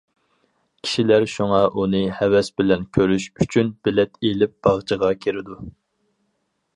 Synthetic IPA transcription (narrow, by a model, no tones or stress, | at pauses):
kʲʰi̥ʃilæɾʃuŋɑʔunɨhɛwɛsbɪlɛnkʲʰøɾyʃyt͡ʃʰynbɪlɛt̪ʰelɪp̚b̥ɑʁt͡ʃʰəʁɑkʲʰeɾɪd̪u